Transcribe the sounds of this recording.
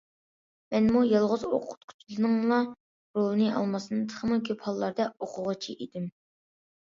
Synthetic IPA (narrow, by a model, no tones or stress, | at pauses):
mɛnmujɑlˠʁʊzo̰qʰʊ̥t̪̚kʲʰy̥t̪ʰlɨnɨŋlˠɑ | ɾolˠɨnɨɑ̰lˠmɑsɨnɨt̪ʰə̥χʰəmɨɡʲʰøphɑlˠːɑɾd̪ɑoqʰʊʁət͡ʃʰiʔed̪ɪm